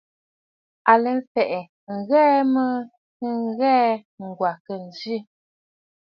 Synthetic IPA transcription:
a˨lə˨m̩˦fɛ˨ʔɛ˨ | ŋ̩˨ɣɛː˦mə˦ | nə˦ŋ˦ɣɛː˦ŋ̩˨ɡwa˨kə˨n˨zi˦˨

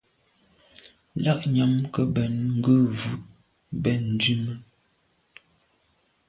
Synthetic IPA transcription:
la˦˨ʔɲa˨mkə˨bɛ˨nŋ̩˦ɡə˦vʉ˨ʔ | bɛ˨n̩˨di˦mə˦

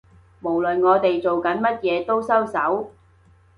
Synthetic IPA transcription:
mo˨˩wlɵ˨nŋɔː˨˧t̪e˨jt͡so˨wkɐ˨˥nmɐ˥t̚jɛː˨˧t̪o˥wsɐ˥wsɐ˨˥w

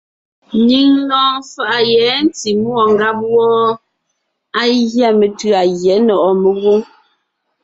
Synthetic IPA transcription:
ni˦ŋ˦lɔː˦ŋfa˨ʔa˨jɛ˨˦n˦ti˨mu˦ɔ˨ŋ˨ɡa˦p̚wɔː˦ | a˦ɣja˦˨me˨tʉ˨a˨ɣjɛ˨˦nɔ˨ʔɔ˨me˨ɣu˦ŋ

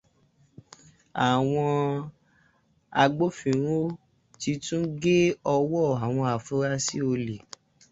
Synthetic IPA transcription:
a˨w̃ɔ̃˧ | a˧ɡ͡bo˦fĩ˨ɾ̃õ˦ | ti˧tũ˦ɡe˦ɔ˧wɔ˦˨a˨w̃ɔ̃˧a˨fũ˦ɾa˦si˦o˧le˨

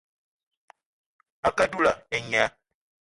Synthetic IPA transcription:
a˨ka˦du˦la̰˨ɛ˨ɲa˦

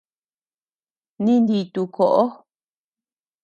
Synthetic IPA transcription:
nĩ˦nd̪i˧t̪u˧kʰo˨ʔo˦

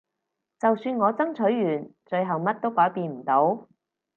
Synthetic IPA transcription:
t͡sɐ˨wsyː˧nŋɔː˨˧t͡sɐ˥ŋt͡ʃʰɵ˨˥ɥːyː˨˩nt͡ʃɵ˧ɥɦɐ˨wmɐ˥t̚t̪o˥wkɔː˨˥jpiː˧nm̩˨˩t̪o˨˥w

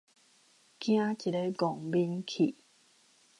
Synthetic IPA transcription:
kj̃ã˦ki˨˩le˦ɡɔ˨˩ŋbi˧nkʰḭ˨˩˨

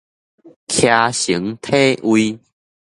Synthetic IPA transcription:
kʰja˧ɕi˨˦ŋt̪ʰe˦ʔwi˧

